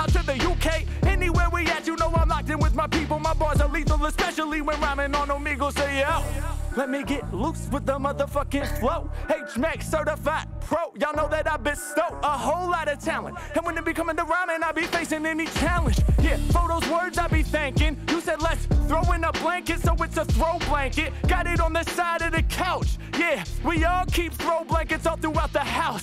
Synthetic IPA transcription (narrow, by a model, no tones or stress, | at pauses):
aɪtʰʊðɨjukʰeɪ | ɛniwɛɹwiæt͡ʃɨnoʊãɪ̃mlaɪktɨ̃ŋwɨðmaɪpipl̩ˠə̃nmaɪbɔɪzaɪlivðə̃əspɛʃl̩ˠiwɨ̃nɹæmɪ̃ŋə̃nomiɡoʊseælɛt̚miɡɛt̚ˡluswɨðə̃mʌðəfʌkɪ̃nfloʊheɪt͡ʃmæksɜ˞ɾəfaɪpʰɹ̥oʊjɨlˠnoʊðɨɾaɪbɨstoʊəhoʊlˠlɑɾɨ̥t͡ʃʰælˠə̰̃nt | ɨ̃nwɨ̃nɨt̚b̥ɨkʰʌ̃mɪ̃ŋðəɹamɨ̃naɪlˠbifeɪsɪ̃ŋɛnit͡ʃʰælˠə̃ndjæfoʊɾoʊzwɜ˞dzaɪlˠbiθɪ̃ŋkɪ̃ŋhɨsɛdˡlɛtsθɹoʊɪ̃nəb̥læ̃ŋkɨtsoʊwɨtsəθɹoʊblæ̃ŋkɨt̚ɡ̥ɑɾɪɾn̩ðɨsaɪɾʌvðɨkʰaʊt͡ʃjæwiɔlˠkʰip̚θɹoʊblæ̃ŋkɨtsɔθɹuaʊt̪̚ðəhaʊs